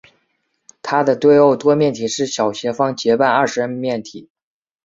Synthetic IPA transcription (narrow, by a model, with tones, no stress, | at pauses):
t̪ʰa˥d̪ə˨t̪we˥˧ɪo˥˩ʊt̪wɔ˥mʲjɛ˥˩nt̪ʰi˨˩ʂɻ̩˥˩ɕjɑ˨˩ʊɕjɛ˧˥fɑ˥ŋt͡ɕjɛ˧˥pa˥˧nə˞˥˩ʂɻ̩˧˥ə˥˧nmjɛ˥˩nt̪ʰi˨˩˦